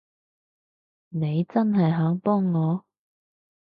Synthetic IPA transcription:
ne˨˧jt͡sɐ˥nɦɐ˨jɦœː˨˥ŋpɔː˥ŋːɔː˨˧

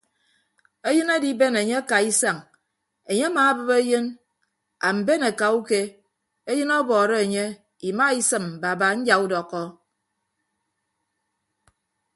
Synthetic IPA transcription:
e˦jɨ˦na˦di˦be˦ne˨ɲe˦a˦ka˨i˦sa˨ŋ | e˨ɲe˦a˦maː˨˦bɨ˦be˦jɨ˦n | a˨m̩˨be˦ne˨ka˨u˦ke˦ | e˦jɨ˦nɔ˦bɔː˨ɾɔ˦e˨ɲe˦ | i˨ma˦i˦sɨ˨m˨ba˨ba˨n̩˦d͡ʒa˨u˦dɔ˨kːɔ˦

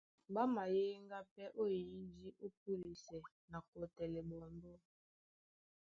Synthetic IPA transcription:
ba˦ma˨je˦ŋɡa˦pɛ˦ʔo˦˨i˦d͡ʒi˦ʔo˦p̚u˦li˨sɛ˨ | na˨kɔ˨tɛ˨lɛ˨bɔ˨mbɔ˦

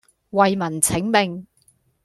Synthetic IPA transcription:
wɐ˨jmɐ˨˩nt͡sʰɪ˨˥ŋmɪ˨ŋ

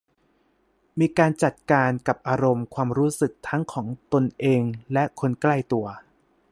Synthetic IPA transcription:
miː˧kaː˧nt͡ɕa˨˩t̪̚kaː˧nka˨˩p̚ʔaː˧ɾo˧mkʰwaː˧mɾuː˦˥sɯ˨˩k̚t̪ʰa˦˥ŋkʰɔː˩˦ŋt̪o˧nʔeː˧ŋlɛ˦˥kʰo˧nkla˥˩jt̪u˧ɐ

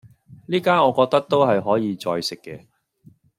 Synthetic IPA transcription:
liː˥kaː˥nɔː˨˧kɔː˧k̚t̪ɐ˥k̚t̪o˥wɦɐ˨jɦɔː˨˥jiː˨˧t͡sɔː˧jsɪ˨kːɛː˧

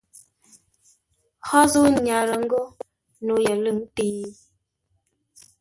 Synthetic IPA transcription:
hɔ˦zu˦ɲa˨ɾə˨ŋ̩˦ɡo˦ | no˨˦jə˨lɨ˦˨ŋ˦ti˨˦

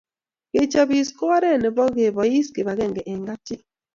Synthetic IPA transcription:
ke˨t͡ʃɔ˦bi˨skɔ˦wa˦ɾɛ˦˨ne˨bɔ˦ɣe˨bɔ˨ji˦ske˨ba˨ɣɛ˦˨ŋɡɛ˨ʔe˨ŋɡa˦t͡ʃi˦

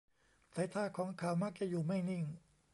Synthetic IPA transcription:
saː˨˧˦jt̪ʰaː˧˥˩kʰɔː˨˦ŋkʰaː˨˩˦wmaː˥˩k̚t͡ɕa˧˩juː˨˩ma˥˩jni˥˩ŋ

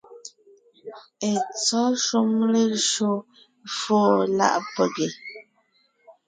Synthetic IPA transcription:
e˨t͡sɔ˨˦ʃu˦mle˦ʃo˦ | foː˦˨la̰˦˨ʔpə˨ɡe˨

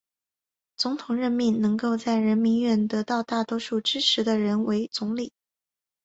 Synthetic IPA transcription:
t͡sʊ˧˥ŋt̪ʰʊ˨˩ŋɻə˧˥nmi˥˩nnɤ˧˥ŋko˥˧ʊt͡sa˥˩ɪɻə˧˥nmi˧˥nɥɛ˥˩nt̪ɤ˧˥t̪ɑ˥˧ʊt̪a˥˩t̪wɔ˥ʂu˥˩ʈ͡ʂɻ̩˥ʈ͡ʂʰɻ̩˧˥d̪ə˧ɻə˧˥nwe˧˥ɪt͡sʊ˧˥ŋli˨˩˦

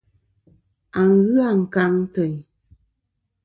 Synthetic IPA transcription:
a˨ŋɣɯ˦a˨ŋ̩˨ka˧˦ŋtə˨ɲ˨

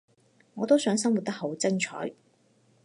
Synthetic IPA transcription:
ŋɔː˨˧t̪o˥wsœː˨˥ŋsɐ˥ŋwu˨t̪̚t̪ɐ˥kho˨˥wt͡sɐ˥ŋt͡ʃʰɔ̰ː˨˥j

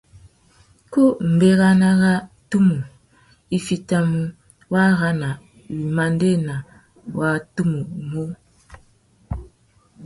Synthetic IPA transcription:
ko˦m̩˨be˦ɣa˦na˦ɣa˦tu˦mu˨ | i˦fi˨ta˦mu˦ | wa˦ɣa˦na˨ | wi˨ma˨n˦de˦˨na˨ | wa˦tu˦mu˨mo˦

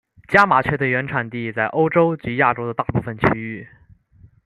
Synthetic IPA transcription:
t͡ɕja˥ma˨˩t͡ɕʰɥɛ˥d̪ə˧ɥɛ˧˥nʈ͡ʂʰa˨˩nt̪i˥˩t͡sa˥˩ɪʔo˥ʊʈ͡ʂo˥ʊt͡ɕy˧˥ja˥˩ʈ͡ʂo˥ʊd̪ə˧t̪a˥˧pu˥˩fə˨˩nt͡ɕʰy˥y˥˩

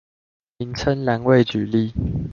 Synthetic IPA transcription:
i˨˦nt͡sʰə˦nlja˧˦ŋwe˥˨ɪt͡ɕy˨˩li˥˨

